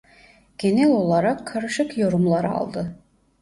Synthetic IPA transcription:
ɟ̥e̞nɛlʲo̞lˠaɾakʰːaɾɯʃɯkjo̞ɾumlˠaɾɯɑ̰lˠd̪ɯ

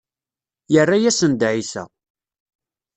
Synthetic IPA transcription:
jərːajæsənd̪ʕisæ̰

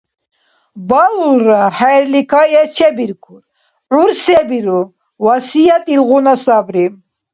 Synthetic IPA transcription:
balulɾahɛɾlikʰajɛt͡ʃʰɛbiɾkʰuɾ | ʕuɾsɛbiɾu | wasijat̪ʼilʁunasabɾi

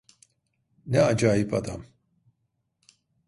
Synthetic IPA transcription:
nɛad͡ʒaːjipʰad̪a̰m

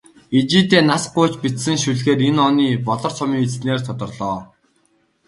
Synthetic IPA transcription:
et͡ɕiːt̪eːnasɢʊːt͡ɕpit̪sɘ̆ŋʃuɮxeːtenɔniːpɔɮɞ̆r̥t͡sʰɔmiːŋet͡st̪neːrt̪ʰʊt̪ɞ̆rɮɔː

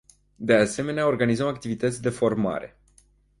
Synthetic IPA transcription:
d̪e̞ase̞me̞neao̞rɡanizəmakt̪ivit̪ət̪sʲd̪e̞fo̞rma̰ɾe̞̰

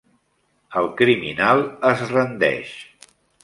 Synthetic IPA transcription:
əlˠkɾiminalˠəzrənd̪ɛ̰ʃ

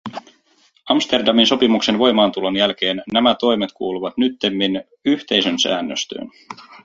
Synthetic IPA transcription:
ɑmst̪e̞rdɑminso̞pimukse̞nʋo̞jmɑːnt̪ulonjælk̟e̞ːnːæmæt̪o̞jmet̪kʰuːluʋɑt̪nyt̪ːemːin | yçt̪e̞jsø̞nsæ̰ːnːøst̪ø̰ːn

